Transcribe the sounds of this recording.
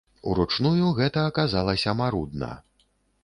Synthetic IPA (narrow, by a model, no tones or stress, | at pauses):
uɾut͡ʂnujuɣɛt̪ɐːkazalˠɐsʲɐmaɾud̪nɐ̰